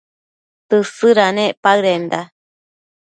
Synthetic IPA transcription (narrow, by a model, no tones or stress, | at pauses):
t̪ɨsɨɾanẽpaɯɾend̪a